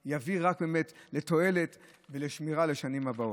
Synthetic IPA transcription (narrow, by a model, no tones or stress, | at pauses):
javiʁak̚beme̞tle̞to̞e̞le̞t | veleʃmiʁale̞ʃanimabao